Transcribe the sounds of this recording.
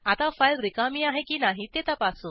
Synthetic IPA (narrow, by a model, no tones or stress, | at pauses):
at̪afajlɾikamiːaɦekiːnaɦit̪et̪apasu